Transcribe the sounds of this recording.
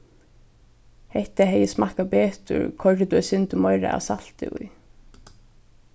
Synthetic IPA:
hɛht̪aɦɛjɪsmahkapɛːt̪ʊ̰ɹkʰɔɹʈ̪ɪt̪uɛsɪnt̪ɪmɔjɾa̰ʔa̰sal̥t̪ɪ̰ṵj

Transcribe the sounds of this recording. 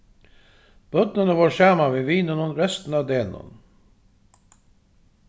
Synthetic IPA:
b̥œd̪nənəʋoːʃæːmaʋeːʋiːnənɔnɾɛst̪n̩ɑːd̪eːnɔ̰n

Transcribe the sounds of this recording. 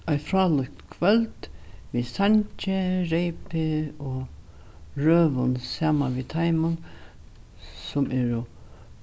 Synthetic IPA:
ajfɾaːlʏkt̪kʰvœlt̪ʋisaɲt͡ʃɪɾejpɪɔ | ɾøːʋʊnsaːmanʋit̪ʰajmʊn | sʊmʔɛɾʊ

